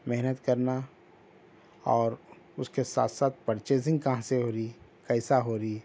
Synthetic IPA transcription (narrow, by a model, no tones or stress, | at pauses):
mɛɦnət̪kəɾna | ɔːɾ | ʊskesa̰ːt̪ʰsaːt̪̚ʰpəɾt͡ʃeːs̬ɪ̃ŋɡ̚kɐɦãseɦoːɾikɛɪsaɦoːɾi